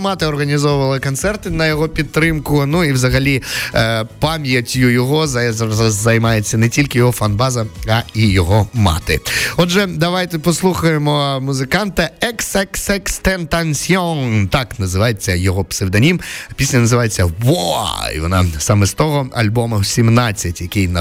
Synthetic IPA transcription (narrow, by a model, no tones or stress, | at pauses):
mɑt̪ɪɔrɣɐnʲizɔwʊʋɐlˠɪkɔnt̪sɛrt̪ɪnɐjɔɦɔpʲid̪ɾɪmkʊnuiwzɐɣɐlʲi | pamʲjɐtʲjʊjɔɦɔzzɐjmɑjet͡sʲːɐnɛtʲilʲkɪjɔɦɔfɐnbɑzɐɐijɔɦɔmɑ̰t̪ɪ̰ɔdʒɛd̪ɐʋajt̪ɛpɔslˠuxɐjemɔmʊzɪkɑnt̪ɐɛksɛksɛkst̪ɛnt̪ɐnsʲɔŋt̪ɑknɐzɪʋajet͡sʲːɐjɔɦɔpsewd̪ɐnʲimpʲisʲlʲɐnɐzɨʋajet͡sʲːɐwɔḭʋɔna̰sɑmɛst̪ɔɦɔɐ̰lʲbɔmɐsʲimnat͡sʲːɐtʲjɐkɪjnɐ